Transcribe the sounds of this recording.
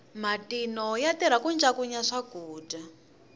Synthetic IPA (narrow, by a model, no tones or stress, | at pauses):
matinɔjatiɾ̤akund͡ʒakuɲaʂaɡ̥uːda